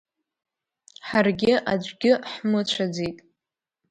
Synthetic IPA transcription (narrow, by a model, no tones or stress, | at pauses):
ħarɡʲɪʔad͡ʒʷɡʲɪħmɨt͡ɕʷʰad͡zejtʼ